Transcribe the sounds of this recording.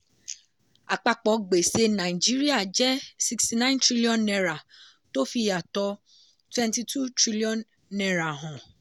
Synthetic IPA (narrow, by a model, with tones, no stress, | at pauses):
a˨k͡pa˧k͡pɔ˨˦ɡ͡be˨se˧nã˨i˨d͡ʒi˦ɾi˦a˦˨d͡ʒɛ˦si˧ksti˧˨nã˦ĩ˦ntɾi˦li˦ɔ̃˦nːɛ˧ɾa˨ | to˦fi˧ja˨tɔ˧ | twɛ̃˦nti˧tu˦tɾi˦li˦ɔ̃˦nː | ɛ˧ɾa˨ɦɔ̃˨